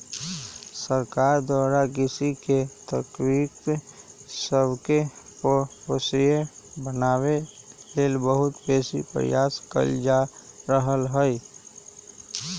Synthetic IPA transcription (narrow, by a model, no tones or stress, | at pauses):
səɾkaɾd̪waːɾakɪsiket̪əkɾik | səbkeppəsɾijebənaːwelelbəɦʊt̪beːsḭpɾə̰jaːskə̰ld͡ʒaɾəɦəlɦəj